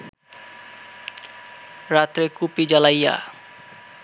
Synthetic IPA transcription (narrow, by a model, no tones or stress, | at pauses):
ɾat̪ɾekupid͡ʑalajːa̰